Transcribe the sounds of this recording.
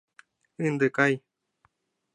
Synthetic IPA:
ɨnd̪ɨkaj

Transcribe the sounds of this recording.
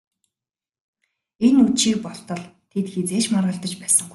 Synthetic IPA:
enut͡ɕiːk̚pɔɬt̪ɞ̆ɮt̪ʰet̪xet͡seːt͡ɕmarʁə̆ɬt̪ə̆t͡ɕpæːsə̆ŋɡu

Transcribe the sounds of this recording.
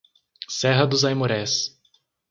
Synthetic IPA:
sɛɦɐd̪ʊzajmoɾɛs

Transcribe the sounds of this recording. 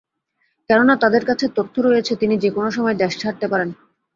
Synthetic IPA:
kɛnonat̪ad̪eɾkat͡ɕʰet̪ot̪ʰːoɾojet͡ɕʰet̪inid͡ʑekonoʃɔmɔed̪ɛʃʰaʈ̚t̪epaɾen

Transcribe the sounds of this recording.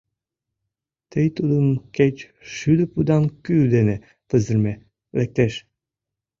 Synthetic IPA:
t̪əjt̪ud̪ənket͡ɕ | ʃyd̪ə̆pud̪ɑnkyld̪ene | t̪ə̆zə̆rme | lek̚t̪eʃ

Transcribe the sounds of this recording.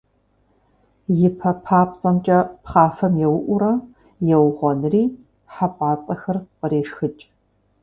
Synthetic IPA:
jɪpʰɐpʰaːpʼt͡sʼɐmt͡ʃʼɐpχaːfɐmjɛwʊʔʷʊɾɐ | jɛwʁʷɔnɨriː | ħapʼaːt͡sʼɐxɐrqəɾeːʂxɨt͡ʃʼ

